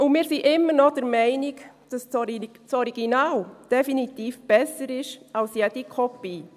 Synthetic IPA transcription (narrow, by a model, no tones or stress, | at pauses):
ʊnmɪːɾsiʔɪmːəɾnɔd̥əɾmɛɪnik | d̥ɑst͡sɔi | t͡sɔɾiɡinaːld̥ɛfinit̪iːfb̥ɛsəɾɪʃalsjɛd̥ikʰɔpi